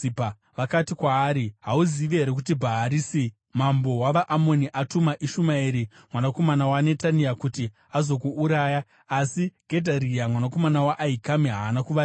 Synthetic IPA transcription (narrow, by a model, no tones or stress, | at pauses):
ipa | ʋakatikwaːɾiɦauziʋeɦeɾek̬ut̬ibʱaɦaɾiːsi | mambo̞waʋaʔamo̞niʔatumaʔiʃumaiɾi | mwanako̞manawane̞tanijakuti | azo̞kuʔːɾaːjaː | siɡ̥ʱe̞dʱaɾijamwanako̞manawaʔːikamiɦaːnakuʋa